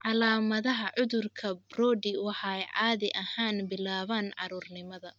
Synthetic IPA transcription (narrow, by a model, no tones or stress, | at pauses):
ʕɑlaːmɐðɐɦɐʕʊðʊrkʰɐbrɔːdɪwɑħɑɛjʕɑːðɪʔɐhaːnbɪlaːβaːnʕɑ̰ɾuːrnɪmɐðɐ